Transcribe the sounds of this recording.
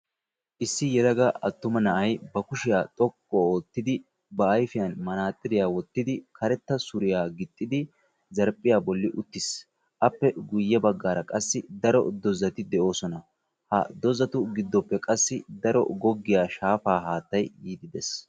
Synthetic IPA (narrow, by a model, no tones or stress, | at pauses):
ʔɪsːɪjɛlɐɡɐɐt̪ːʊmɐnɐʔɐjbɐkʊʃɪjaːt̪ʼɔkʼːɔoːt̪ːɪd̪ɪ | bɐːjfɪjɐnmɐnaːt̪ʼːɪɾɪjaːwɔt̪ːɪd̪ɪkʰɐɾɛt̪ːɐsʊɾɪjaːɡɪt̪ʼːɪd̪ɪ | zɐɾpʼːɪjaːbɔlːɪʔʊt̪ːɪs | ʔɐpːɛɡʊjːɛbɐɡːaːɾɐkʼɐsːɪd̪ɐɾɔ̰d̪ɔzːɐt̪ɪd̪ɛʔo̞ːsɔnɐ | hɐ̰d̪ɔzɐt̪ʊɡɪd̪ːɔpːɛkʼɐsːɪd̪ɐɾɔ̰ɡɔɡːɪjaːʃaːfaːɦaːt̪ːɐjjiːd̪ɪd̪ɛs